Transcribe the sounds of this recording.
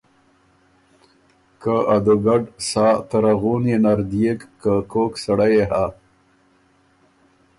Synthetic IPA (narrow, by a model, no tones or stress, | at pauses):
kaʔad̪ʊɡaɖsɑːt̪aɾaɣunenaɾd̪ijekːəkoksaɽajeɦa